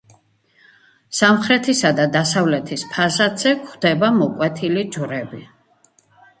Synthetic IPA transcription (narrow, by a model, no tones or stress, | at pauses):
samχɾɛt̪ʰisad̪ad̪asavlɛt̪ʰispʰazat̪z̥ɛkχd̪̥ɛbamɔkʼwɛt̪ʰilid͡ʒwɾɛbi